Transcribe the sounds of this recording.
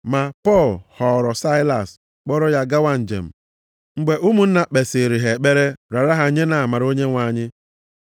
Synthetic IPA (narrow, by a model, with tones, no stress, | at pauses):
ma˨pɔ˦˨lhɔ˨ɾɔ˨sa˦ɪ˦la̰˨s | k͡pɔ˦ɾɔ˦ja˦ɡa˦wa˦n̩˨d͡ʒḛ˨m̩˨ | ŋ͡m̩˦ɡ͡be˨ʔu˦mu˦n̩˦na˨k͡pe˨se˨ɾi˨ɦe˨k͡pe˦ɾe˦ɾa˨ɾa˦ɦa˨˦ɲe˦na˨a˨ma˨ɾo˦ɲe˦ŋʷa˨˦˨ɲɪ˦